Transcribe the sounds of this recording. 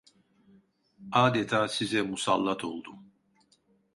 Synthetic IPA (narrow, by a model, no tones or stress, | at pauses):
aːd̪ɛt̪ʰaːsizɛmusalˠːat̪ʰo̞lˠd̪um